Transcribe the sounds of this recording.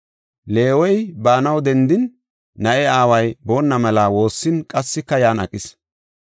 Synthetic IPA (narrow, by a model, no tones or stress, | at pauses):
le̞ːwɔjbaːnɐwd̪ɛnd̪ɪnː | ɐʔɛaːwɐjbo̞ːnːɐmɛlawo̞ːsːɪnkʼɐsːɪkːɐjaːnɐ̰kʼɪs